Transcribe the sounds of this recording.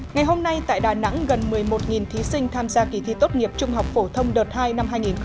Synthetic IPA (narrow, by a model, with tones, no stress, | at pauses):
ŋa˨˩jɦo˧mna˧jt̪a̰ː˧˨jɗaː˨˩na̰˧˥ŋɣə˨˩nmɨ˨˩əjmo˨˩t̚ŋi˨˩nt̪ʰi˨˦sï˧ŋ̟t̪ʰaː˧mzaː˧ki˧˩t̪ʰḭ˧˨t̪o˦˥t̚ŋi˨˩əp̚t͡ɕʊ˧ŋ͡mɦa˨˩wk͡p̚fo˧˩t̪ʰə˧wŋ͡mɗəː˨˩t̚haː˧jna˧mhɦaː˧jŋi˨˩n